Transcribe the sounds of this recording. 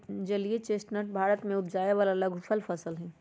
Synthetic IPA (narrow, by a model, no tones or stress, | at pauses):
d͡ʒɐliet͡ʃeːsʈnəʈ̚bʱaːɾət̪mẽʊpd͡ʒaːjeʋaːlalɐɡʱfəlfʰɐsəlɦɛ̃ː